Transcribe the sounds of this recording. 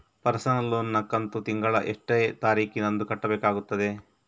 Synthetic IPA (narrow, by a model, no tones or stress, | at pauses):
pɐɾsɐnɐloːnːɐkɐnt̪ut̪iŋɡɐɭɐʔeʂʈejt̪aːɾiːkinɐnd̪ukɐʈːɐbɛːkaːɡut̪ːɐd̪e̞